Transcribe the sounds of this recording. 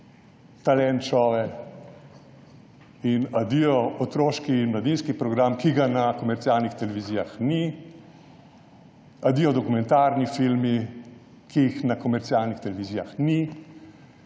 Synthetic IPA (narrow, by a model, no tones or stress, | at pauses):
t̪alɛnt͡ʃɔːʋɛ | inad̪ijɔɔt̪ɾoːʃkiːnmlad̪inskipɾɔɡɾamkiɡanakɔmɛɾt̪sialnixt̪ɛlɛʋiziːjaxni | ad̪ijɔd̪ɔkumɛ̃nt̪aɾnifilmi | kiːxnakɔmɛɾt̪sialnixt̪ɛlɛʋiziːjaxni